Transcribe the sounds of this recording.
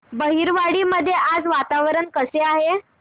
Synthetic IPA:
bəɦiɾʋaɽiːməd̪ʱːjeʔad͡zʋat̪aʋɾəɳkəseaɦe

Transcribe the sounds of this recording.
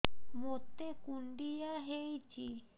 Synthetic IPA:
mot̪ːekuɳɖijaɦejt͡ʃʰi

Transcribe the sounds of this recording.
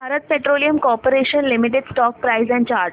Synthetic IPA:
aɾət̪̚peʈɾoːlijəmkɔːɾpəɾeʃənlimiʈ̬eɖsʈɔːk̚pɾaɪzɛ̃ɳɖ̚t͡ʃaːɾ

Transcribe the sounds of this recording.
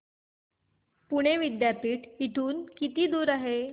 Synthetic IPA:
puɽ̃eʋid̪japiːʈiʈʰuːnkit̪iːd̪uːɾaɦe

